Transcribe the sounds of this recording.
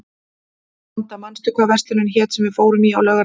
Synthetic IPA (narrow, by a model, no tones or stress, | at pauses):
nt̪amanst̪ʏkʰvaːvɛr̥t̪ɪnʏnçɛːt̪sɛmvɪðfoːwɾʏmiawlɛːɣa